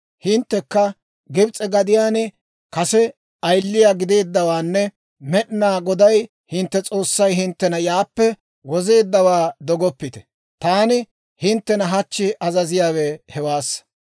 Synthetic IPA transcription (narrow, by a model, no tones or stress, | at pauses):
hɪnt̪ːɛkːɐ | ɡɪbt͡sʼɛɡɐd̪ɪjaːnɪ | kɐsɛ | ɐjlːɪjaːɡɪd̪e̞ːd̪ːɐwaːnːɛ | mɛɗɪnaːɡɔd̪ɐj | hɪnt̪ːɛt͡sʼo̞ːsːɐjɦɪnt̪ːɛnɐjaːpːɛ | wɔze̞ːd̪ːɐwaːd̪ɔɡɔpːɪt̪ɛ̥ | t̪aːnɪ | hɪnt̪ːɛnɐɦɐt͡ʃːɪʔɐzɐzɪjaːwɛhɛwaːsːɐ̥